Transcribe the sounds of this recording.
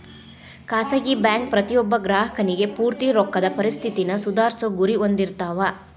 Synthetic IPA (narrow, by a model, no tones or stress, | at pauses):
kaːsɐɡibjaːŋk̚pɾɐt̪ijɔbːɐɡɾaːɦɐkɐniɡe̞puːɾt̪iɾɔkːɐd̪ɐpɐɾist̪ʰit̪inɐsud̪aːɾsoɡuɾiond̪iɾt̪aːʋa